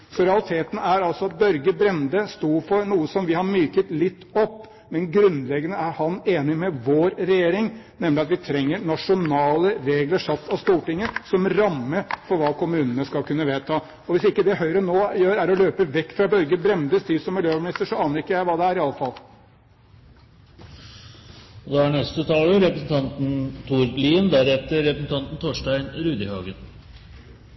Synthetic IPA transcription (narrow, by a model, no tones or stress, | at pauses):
sɔɾɛɑlɪt̪ʰeːt̪n̩æɾɑlsɔɑt̪̚bœɾɡəbɾɛnd̪əst̪uːɾfɔɾnuːəsɔmʋɪhɑɾmyːkət̪lɪt̪ːɔpː | mɛnɡɾʉnlɛɡːənəæɾhɑneːnɪmɛʋoːɾɾɛjeːɾɪŋnɛmːlɪɑt̪ʋɪt̪ʰɾɛŋːəɾɳɑʂʊnɑːləɾeːɡləʂɑt̪ʰːɑst̪uːʈɪŋːəsɔmɾɑmːəfɔɾʋɑːkʰʊmʉːnənəskɑlkʰʉnːəʋeːt̪ʰɑː | ɔʋɪsɪkːəd̪ɛɦœʏɾənoːjøːɾæɾɔløːpəʋɛkːfɾɑbœɾɡəbɾɛmd̪əst̪yːsɔmːɪljøːmɪnɪst̪əʂɔɑːnəɾɪkːəjæɪʋɑːd̪ɛæɾɪɑlːəfɑl | d̪ɛæɳɛst̪ət̪ʰɑːləɾɛpɾəsn̩t̪ʰɑnt̪n̩t̪ʰuːɾliːənd̪æɾɛt̪ːəɾɾɛpɾəsn̩t̪ʰɑnt̪n̩t̪ʰoːʂʈæɪnɾʉːd̪ɪhɑːɡən